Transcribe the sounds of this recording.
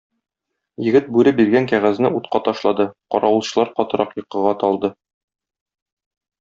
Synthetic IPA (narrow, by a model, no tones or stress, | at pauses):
jɘ̆ɡɘt̪̚bʉɾɘbiɾɡæŋkæʁæznɘut̪qɑt̪ɒʃlˠɑd̪ɤqɒɾɑwɤ̆lˠɕɤ̆lˠɑɾqɒt̪ɤ̆ɾɑqjɤ̆qːɤ̆ʁɑt̪ɒlˠd̪ɤ